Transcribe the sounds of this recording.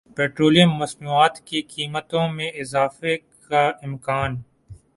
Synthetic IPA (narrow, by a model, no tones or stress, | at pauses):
peːʈɾoːlijə̃mːɐsnuːaːt̪kikiːmət̪õmẽɪzaːfekaɪ̃mkaːn